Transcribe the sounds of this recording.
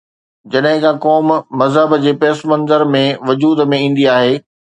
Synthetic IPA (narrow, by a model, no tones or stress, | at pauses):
d͡ʑɐɗɦɪ̃kʰãkɔːmːɐzɦəbd͡ʑeːpeːsmɐ̃nzəɾmẽʋʊd͡ʑuːd̪mẽĩːn̆d̪iaːɦeː